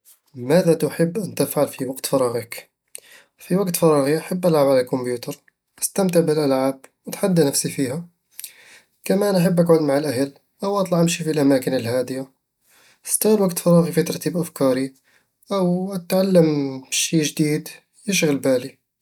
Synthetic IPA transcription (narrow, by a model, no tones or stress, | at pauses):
mæːðat̪ʊħəbːʔant̪ɪfʕalfiwaɡt̪fɑɾˤɑɣɪk | fiwaɡt̪fɑɾˤɑːɣiʔaħabːʔalʕabʕalalkʊmbjuːt̪ɑɾˤ | ʔə̥st̪amt̪ɪʕbɪlʔalʕaːb̚wət̪ħad̪ːanafsifiːha | kamænʔaħabːʔaɡʕʊd̪maʕalʔahal | ʔawʔɑt̪ˤlɑʕʔamʃifilʔamaːkɪnəlhaːd̪ɪjḁ | st̪alwaɡt̪fɑɾˤɑːɣifit̪ɑɾˤt̪iːbʔafkɑːɾi | ʔawt̪ʕalːəmʃiːʒd̪iːd̪ | jɪʃɣəlbæːli